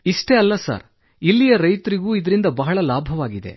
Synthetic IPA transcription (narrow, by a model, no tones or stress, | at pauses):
iʂʈe̞ɐlːɐsa̰ːɾ | ilːijɐɾɐjt̪ɐɾiɡuːid̪ɐɾind̪ɐbɐɦɐɭɐlaːbʱɐʋaːɡid̪e̞̰